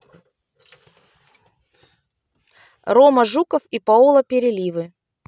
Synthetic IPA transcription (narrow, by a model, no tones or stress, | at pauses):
roməʐukəfipɐolˠəpʲɪɾʲɪlʲivɨ